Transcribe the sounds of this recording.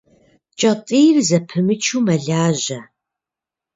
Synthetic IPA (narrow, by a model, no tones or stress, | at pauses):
t͡ʃʼɐtʼiːrzɐpʰɨmɨt͡ʃʰuːmɐɮaːʑɐ